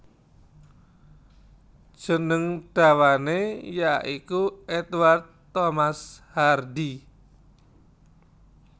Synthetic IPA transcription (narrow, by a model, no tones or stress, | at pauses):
ʒ̥ənəŋɖ̥a̤wanejaʔikuʔɛt̪ward̪̚t̪ːomashardi